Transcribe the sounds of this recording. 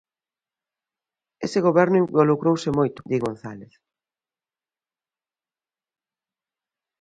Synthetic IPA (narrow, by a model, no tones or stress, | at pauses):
esɪɣoβɛɾnʊimbolukɾowsɪmojt̪ʊ̥d̪iɣonθaleθ